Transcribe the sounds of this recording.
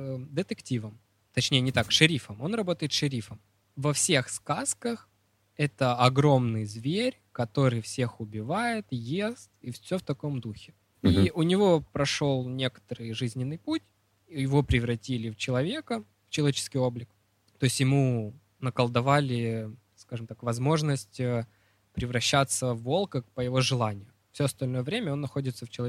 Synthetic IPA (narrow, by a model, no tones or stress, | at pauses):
d̪ɨt̪ɨktʲivəm | t̪ɐt͡ɕnʲejənʲɪt̪akʂɨɾʲifəmo̞nrɐbo̞t̪əjɪt̪ʂɨɾʲifəm | vɐfsʲe̞xskaskəx | ɛt̪əɐɡɾo̞mnɨjəzvʲeɾʲkɐt̪o̞ɾɨjfsʲe̞xʊbʲɪvajɪt̪jest̪ifsʲoft̪ɐko̞md̪uxʲɪ | iʔʊnʲɪvo̞pɾɐʂo̞lˠnʲe̞kə̥t̪əɾɨjʐɨzʲnʲɪnːɨjputʲ | jɪvo̞pɾʲɪvɾɐtʲilʲɪft͡ɕɪlˠɐvʲe̞kə | ft͡ɕɪlˠɐvʲet͡ɕɪ̥skʲijo̞blʲɪk | t̪o̞ɪsʲtʲjɪmu | nəkəlˠd̪ɐvalʲɪ | skaʐɨmt̪akvɐzmo̞ʐnəsʲtʲə | pɾʲɪvɾɐɕːat̪səvːo̞lˠkək̚pəjɪvo̞ʐɨlˠanʲɪjʊ | fsʲoɐst̪ɐlʲno̞jəvɾʲemʲəo̞nːɐxo̞dʲɪt̪səft͡ɕɪlˠɐ